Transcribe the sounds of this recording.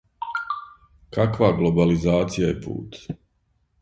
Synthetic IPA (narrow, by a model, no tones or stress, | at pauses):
kakʋaːɡlˠobalizaːt̪sijajepṵːt̪